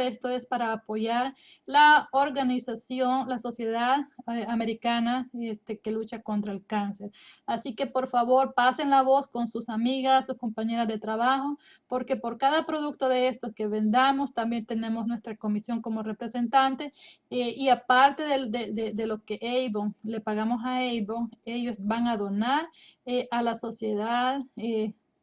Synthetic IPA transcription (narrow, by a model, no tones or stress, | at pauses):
est̪oe̞spaɾaːpo̞ʝaɾlaoɾɣanisasjonlaso̞sje̞ðaðame̞ɾikanaest̪eke̞lut͡ʃako̞nt̪ɾaelkanse̞ɾasike̞po̞ɾfaβo̞ɾpase̞nlaβo̞sko̞nsusamiɣasːusko̞mpaɲe̞ɾazðe̞t̪ɾaβaxo̞ | po̞ɾke̞po̞ɾkaðapɾoðuk̚t̪o̞ðee̞st̪oske̞βe̞nd̪amo̞st̪ambje̞nt̪e̞ne̞mo̞snwe̞st̪ɾako̞misjo̞ŋko̞mo̞re̞pɾe̞se̞nt̪ant̪e̞eiapaɾt̪e̞ðed̪ed̪ed̪e̞lokeʔejβoŋle̞paɣamo̞saejβoŋe̞jo̞sbaŋaðo̞naɾeʔalaso̞sje̞ðaðe